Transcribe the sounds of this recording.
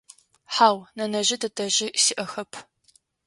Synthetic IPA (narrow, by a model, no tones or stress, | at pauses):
ħaːwnɐnɐʑɪdɐtʰɐʑɪsiʔɐxɐpʰ